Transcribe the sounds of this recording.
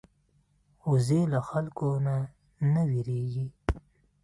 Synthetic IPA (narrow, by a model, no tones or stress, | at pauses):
uzelaxalkona | nawiɾeɡi